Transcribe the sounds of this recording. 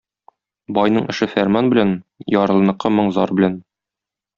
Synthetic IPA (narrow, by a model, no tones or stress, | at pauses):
bɒjnɤɴɘ̆ʃɘfæɾmɑnbɘ̆lænjɒɾɤ̆lˠɤ̆nɤ̆qːɤmɤɴzɒɾbɘ̆læn